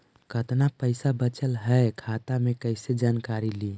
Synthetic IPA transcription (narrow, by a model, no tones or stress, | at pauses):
kət̪napəɪsabət͡ʃəlɦɛekʰat̪amekəɪsed͡ʒankaɾili